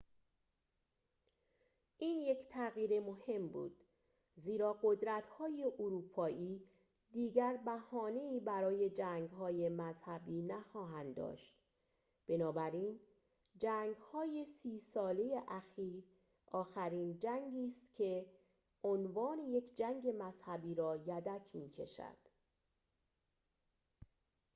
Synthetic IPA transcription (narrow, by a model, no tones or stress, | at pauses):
ʔiːnje̞cʰt̪ʰæɣiːɾemo̞he̞mbṵːd̪̥ | ziːɾɒːɢo̞d̪ɾæt̪hɒːje̞ʔoɾuːpʰɒːʔiː | d̪iːɟæɾbæhɒːne̞iːbæɾɒːje̞d͡ʒæːŋɡɦɒːje̞mæzhæbiːnæxɒːɦænd̪dːɒ̰ːʃt̪ | b̥e̞nɒːbæɾiːn | d͡ʒæŋɡhɒːje̞siːsɒːle̞jeʔæxiːɾ | ʔɒːxæɾiːnd͡ʒæŋɡiːst̪cʰe̞ | ʔonvɒːne̞je̞cʰd͡ʒæŋɟe̞mæzhæbiːɾɒːjæd̪æcʰmiːcʰe̞̰ʃæ̰d̪̥